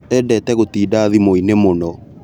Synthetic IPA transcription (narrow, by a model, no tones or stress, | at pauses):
ɛːdɛːtɛɣotiːdaːðimoinemonɔ